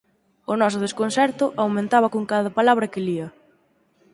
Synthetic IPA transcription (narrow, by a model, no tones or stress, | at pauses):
ʊnɔs̬ʊð̞eskonsɛɾt̪ʊʔawmẽnt̪aβɐkoŋkaðɐpalaβɾɐkɪliɐ